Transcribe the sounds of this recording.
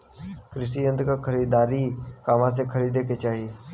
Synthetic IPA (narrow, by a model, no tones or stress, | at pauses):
kɾɪsiːə̃nd̪kakʰəɾiːd̪aːɾiːkaːmãːs̬eːkʰəɾiːd̪eːket͡ʃaːɦieː